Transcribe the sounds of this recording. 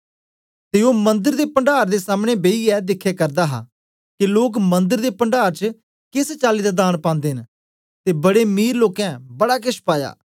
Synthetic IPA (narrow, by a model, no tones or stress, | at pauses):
t̪eoːmə̃nd̪əɾd̪eːpəɳɖaːɾd̪eːsaːmɽ̃ebeːiɛːd̪ɪkʰːekəɾd̪aːɦa̰ | kiloːkmə̃nd̪əɾd̪eːpəɳɖaːɾt͡ʃə | kɪst͡ʃaːliːd̪ad̪aːɽ̃pãːnd̪eːɦn | t̪eːbəɽeːmiːɾloːkɛ̃ːbəɽaːkɪʃpaːja̰ː